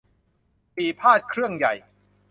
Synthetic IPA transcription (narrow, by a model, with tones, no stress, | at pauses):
piː˨˩pʰaː˥˩t̪̚kʰɾɯ˥˩əŋja˨˩j